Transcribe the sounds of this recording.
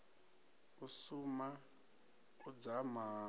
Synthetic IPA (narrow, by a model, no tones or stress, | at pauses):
usuma | ud͡zama